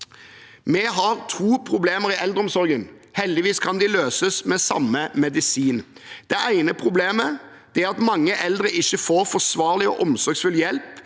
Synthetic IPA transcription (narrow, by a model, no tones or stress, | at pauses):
mɛɦɑɾt̪ʰuːpʰɾʊbleːməʁɪʔɛld̪əɔmsɔɾɡənhɛld̪ɪʋiːskʰɑnd̪ɪløːsəsmɛːsɑ̰mːəmɛd̪ɪsiːnd̪̥ɛʔæɪnəpʰʁʊbleːmə | d̪̥ɛæɾɑt̪mɑŋːəʔɛld̪ɾəʔɪçːəfoːɾfɔsʋɑːʁlɪɔ̰ʔɔmsɔɾɡsfʉljɛlp